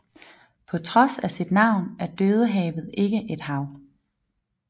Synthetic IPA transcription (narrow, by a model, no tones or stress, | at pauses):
pʰɒ̽t͡sʰʁɒ̽sæsid̥nɑ̈ʊ̰næɐd̥øð̞ˠəɦɛ̰ːʋð̞̩ˠe̝ɡ̥əʔe̝d̥ɦɑ̈ʊ